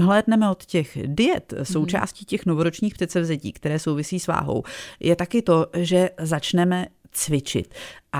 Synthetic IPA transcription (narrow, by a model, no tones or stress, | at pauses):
ɦlɛːdnɛmɛot̪cɛxdɪjɛt̪so̞wt͡ʃa̰ːsciːcɛxnovoɾot͡ʃɲiːxprɛt̪sɛvzɛcḭːkt̪ɛɾɛːso̞wvɪsiːsva̰ːɦo̞̰wjʔɛt̪akɪt̪o̞ʒɛzat͡ʃnɛmɛ | t͡svɪt͡ʃɪ̰t̪ʔa